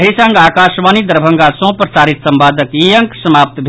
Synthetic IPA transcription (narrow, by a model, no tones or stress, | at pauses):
ɦisəŋɡaːkasʋanid̪əɾbʱəŋɡasɔ̃pɾəsaːɾit̪səmbad̪əkijəŋksəmap̚t̪bʱ